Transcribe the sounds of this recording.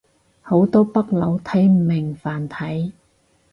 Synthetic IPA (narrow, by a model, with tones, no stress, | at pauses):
ho˨˥wt̪ɔː˥pɐ˥k̚lɐ˨˧wt̪ʰɐ˨˥jm̩˨˩mːɪ˨ŋfaː˨˩nt̪ʰɐ˨˥j